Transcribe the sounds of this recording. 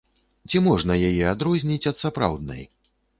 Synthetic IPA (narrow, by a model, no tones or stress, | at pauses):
t͡sʲimɔʐnɐjajɛad̪ɾɔzʲnʲit͡sʲɐt̪sapɾa̰wd̪̚nɐ̰j